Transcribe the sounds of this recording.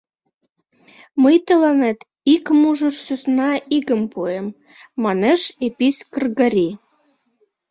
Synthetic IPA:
məjt̪ə̆lɑnet̪ | ikmuʒə̆ʃsøsnɑʔiɣəmpuemː | ɑneʃepiskərɣəɾʲi

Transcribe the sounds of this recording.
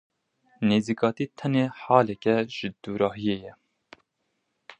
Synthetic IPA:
neːziːkɑːt̪iːt̪ʰɛneːħɑːlɛkɛʒ̥ɨd̪̥uːɾɑːɦijeːjɛ

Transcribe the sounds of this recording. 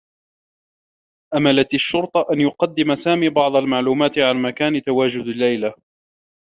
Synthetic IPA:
ʔamalat̪aʃːʊɾt̪ˤɑʔanjʊqɑd̪ːɪmasaːmiːbɑʕd̪ˤalmaʕluːmaːt̪ɪʕanmakaːnɪt̪awaːd͡ʒʊd̪alːajla

